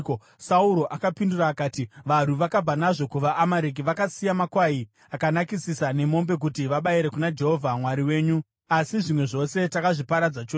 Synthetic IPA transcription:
sauɾo̞ʔakapinduraːkaːtiʋan̤uʋakab͡vanaʐo̞kuʋaʔːmaɾek̬iʋakasijamakwai | akanakisisane̞mo̞mbe̞k̬utiʋaɓaiɾe̞kunad͡ʒeɦovʱamwaɾiwe̞ːɲu | asiʐimwe̞ʐo̞se̞takaʐipaɾad͡zat͡ʃoː

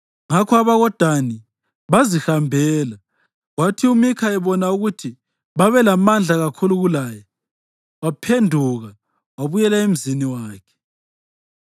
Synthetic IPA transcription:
ŋakʰɔaβaɣɔd̥ʱani | βazixambʱɛːla | ɣwatʰiumikʰaɛβɔnauɣutʰi | βaβɛlamand͡ɮʱaɣakʰuluɣulaːja | wapʰendʱuɣa | waβujɛlaem̩ziniwaaːkʰɛ̥

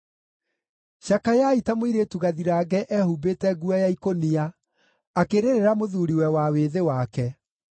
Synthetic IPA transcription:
ʃakajaitamoiɾeːtuɣaðiɾaːɡɛʔɛhubetɛɡuajaikoniaː | keɾeɾeɾamoðuɾiwɛwaweðewakɛ

